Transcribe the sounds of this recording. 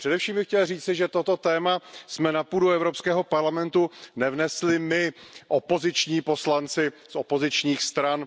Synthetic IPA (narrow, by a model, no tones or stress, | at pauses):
pr̥ɛdɛfʃiːmbɪxcɛlr̝iːt͡sɪʒɛt̪o̞t̪o̞t̪ɛːmasmɛnapuːduɛvɾo̞pskɛːɦo̞paɾlamɛnt̪unɛvnɛslɪmɪʔopo̞zɪt͡ʃɲiːpo̞slant͡sɪso̞po̞zɪt͡ʃɲiːxst̪ɾan